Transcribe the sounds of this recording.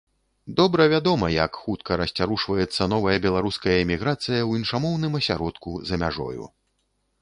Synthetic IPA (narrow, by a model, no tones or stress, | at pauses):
d̪ɔbɾɐvʲad̪ɔmɐjɐkxut̪̚kʰɐɾɐsʲt͡sʲaɾuʂvɐjɛt̪sːɐnɔvɐjɐbʲɛlˠaɾuskɐjɐɛmʲiɣɾat̪sɨjɐwinʂamɔwnɨmɐsʲaɾɔt̪kuzɐmʲa̰ʐɔ̰jṵ